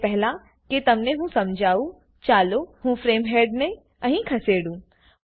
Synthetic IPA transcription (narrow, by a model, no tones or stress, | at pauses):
pɛɦla | ket̪ɐmneɦũsɐ̃md͡ʒʱaːu | t͡ʃaːloɦũfɾeːmɦeːɖnẽ | ɐɦĩkʰɐseːɽũː